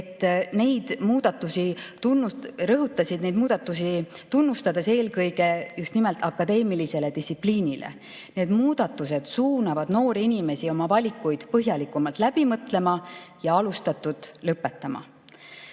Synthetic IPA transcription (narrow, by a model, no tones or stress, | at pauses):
et̪ˑːne̞jd̪̥muːd̪̥ɑt̪ːˑusit̪unːurɤɦut̪ːˑɑsʲid̪nejd̪̚muːd̪̥ɑt̪ːˑusit̪unːust̪ɑd̪̥e̞se̞ːlkɤjɡe̞just̪nimelt̪ˑɑkːɑd̪e̞ːmilise̞led̪isʲipliːnʲilʔḛ | need̪̥muːd̪̥ɑt̪ːˑuse̞d̪̥suːnɑvɑd̪̥no̞ːɾiinime̞sio̞mɑvɑlʲikːujd̪̥pɤɦjɑlikːˑumɑlt̪læb̥imɤt̪le̞mɑjɑɑlust̪ɑt̪ːud̪̥lɤpːe̞t̪ːˑɑmɑ̰